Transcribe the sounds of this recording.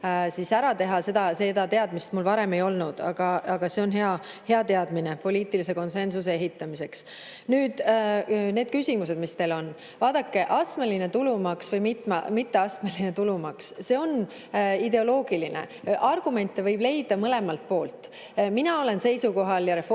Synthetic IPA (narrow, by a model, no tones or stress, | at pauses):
sisæɾɑt̪e̞ɦɑse̞d̪ɑse̞d̪ɑt̪e̞ɑd̪̥mist̪mulvɑɾe̞me̞jo̞lnud̪̥ɑ̰ɡ̥ɑɑɡ̥ɑse̞onɦeɑ | he̞ɑt̪e̞ɑd̪mine̞po̞liːt̪ˑilise̞ko̞nse̞nsusee̞ɦit̪ːˑɑmise̞ks | nyːd̪̥ | ne̞ːd̪̥̚kysʲimus̬e̞d̪mist̪e̞lo̞n | vɑːd̪̥ɑkːe̞ʔɑsmeline̞t̪ulumɑksvɤjmit̪mɑmit̪ːeɑsmeline̞t̪ulumɑksse̞o̞n | id̪e̞o̞lo̞ːɡ̥ilinḛ | ʔɑrɡ̥ume̞nt̪ːˑevɤjb̥le̞jd̪̥ɑmɤle̞mɑlt̪̚po̞ːlt̪ˑ | minɑo̞le̞nse̞jsuko̞ɦɑljɑɾe̞f